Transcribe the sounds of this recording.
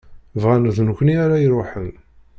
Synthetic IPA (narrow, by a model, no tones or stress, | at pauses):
vʁænəðnkʷniaɾajɾˤʊħən